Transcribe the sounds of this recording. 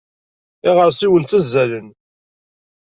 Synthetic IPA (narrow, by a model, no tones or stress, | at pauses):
ɪʁəɾsiwənt̪æzːælən